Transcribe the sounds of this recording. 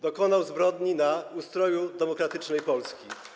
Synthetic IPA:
d̪ɔkɔnawzbɾɔd̪ɲinaust̪ɾɔjud̪ɛmɔkɾat̪ɘt͡ʂnɛjpɔlskʲi

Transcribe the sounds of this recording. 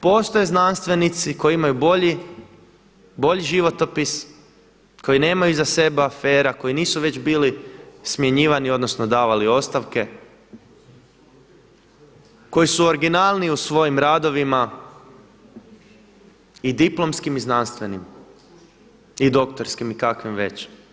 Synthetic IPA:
po̞ːst̪oje̞znanst̪ʋe̞nit̪siko̞jiimajuboʎi | bo̞ʎiʒiʋo̞t̪o̞pis | ko̞jine̞ːmajuzase̞beafe̞ːɾako̞jiniːsuʋe̞t͡ɕbiːlismje̞ɲiːʋanio̞d̪no̞sno̞d̪aːʋalio̞st̪aʋke̞ | ko̞jisuo̞ɾɡinalˠniusʋo̞jimɾad̪o̞ʋima | id̪iplˠo̞mskimiznanst̪ʋe̞nim | id̪o̞kt̪o̞ɾskimikakʋimʋe̞t͡ɕ

